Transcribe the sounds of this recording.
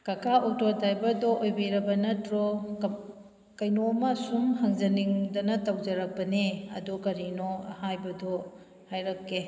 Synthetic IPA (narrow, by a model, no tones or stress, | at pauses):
kɐkʰautoɾdajbɐɾdɔʔojbeɾɐbɐnɐtɾok | kɐjnomasumhɐŋzɐniŋdɐnɐtawd͡ʒɐɾɐk̚pɐneɐ̰dokɐɾinohajbɐdo | hajɾɐkːe